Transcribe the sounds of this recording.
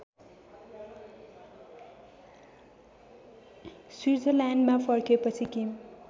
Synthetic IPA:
swird͡zʌlanmapʰʌrkepʌt͡sʰikim

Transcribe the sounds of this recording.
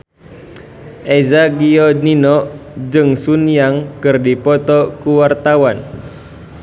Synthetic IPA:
ʔɛzaɡiɔninɔd͡ʒɨŋsunijaŋkɨrdipɔt̪ɔkuwart̪awan

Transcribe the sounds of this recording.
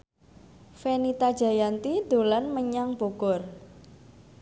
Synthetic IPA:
fenit̪ad̥ʒ̥a̤jant̪id̪̥o̤lanməɲaŋb̥o̤ɡ̥ɔ̤r

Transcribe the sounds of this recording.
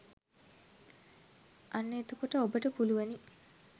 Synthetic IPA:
ʔɐnːeːt̪ukuʈəobəʈəpuluʋɐni

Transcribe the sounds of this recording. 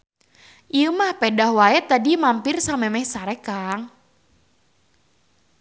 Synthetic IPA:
ʔiəmahpɛdahwaɛt̪adimampirsamɛmɛhsaɾɛkaŋ

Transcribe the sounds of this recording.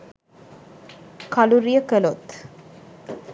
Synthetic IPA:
kaluɾijəkəlot̪

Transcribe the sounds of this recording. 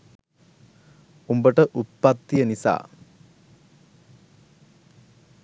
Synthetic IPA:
umbɐʈɐʔut̪̚pɐt̪ːijɐnisa̰ː

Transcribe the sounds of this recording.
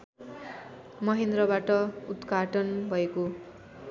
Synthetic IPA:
mʌɦend̪rʌbaʈʌut̪ɡaʈʌnbʱʌeko

